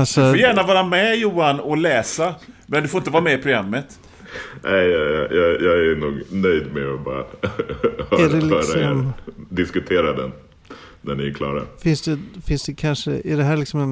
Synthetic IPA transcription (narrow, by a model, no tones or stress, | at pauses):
alsɔfɔjæːɳavɑːɾamɛjuːanɔlɛːsamɛnd̪ɵfoɾɪnt̪əvɑːɾamɛɪpʰɾʊɡɾamːət̪ | nʔɛɪjɑːjɑːɡæɾnuːɡnœjd̪mɛɔbɑ̰ːɾa̰ | hædɛlœːɾaɔæmd̪ɪskɵt̪ʰeːɾad̪ɛ̰n | næɳɪɛkʰlɑ̰ːɾa̰fɪnsd̪ɛfɪnsd̪ɛkʰanʂə̰ʔɪdɛɦæːɾɭɪksɔmɛn